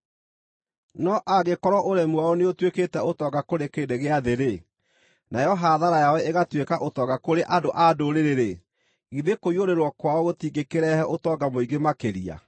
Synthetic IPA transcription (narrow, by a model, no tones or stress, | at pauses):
nɔʔaɣekɔɾɔʔoɾɛmwaoneotweketɛotɔːɡakoɾekeːdeɣeaðeɾe | najɔɦaðaɾajawɛeɣatwekaʔotɔːɡakoɾeʔadoʔadoɾeɾeɾe | iðekoioɾeɾwɔkwaɔɣotiːɡekeɾɛhɛʔotɔɡamoiɡemakeɾia̰